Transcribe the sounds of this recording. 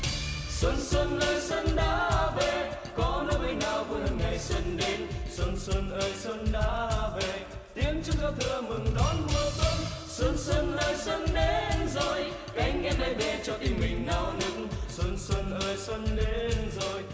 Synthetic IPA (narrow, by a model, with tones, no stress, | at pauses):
swə˧nswə˧nʔəː˧jswə˧nɗaː˨˦ve˨˩ | kɔ˨˦nəː˧˦mə˨˧jnaː˨˩wvɨ˨˩hə˨˩ŋŋa˨˩jswə˧˦nɗe˧˦nswə˧˩nswə˧nʔəː˧˩jswə˧nɗaː˨˦ve˨˩ | t̪i˨˦ənt͡ɕɨ˧˦ŋ͡mzaː˧t̪ʰɨ˧əmɨ˨˩ŋɗɔ˨˦nmə˨˩swə˧n | swə˧nsə˧nʔəː˧jswə˧nɗe˧˦nzo˨˩j | ka˧˩jŋ̟ʔɛ˧mɗa˧˩jɓɛ˨˩t͡ɕɔ˧t̪i˧˩mï˨˩ŋ̟ɗa˨˧˦wnɨ˨˧˦k̚ŋswə˧nswə˧nʔəː˧˩jswə˧nɗe˧˦nzo˨˩j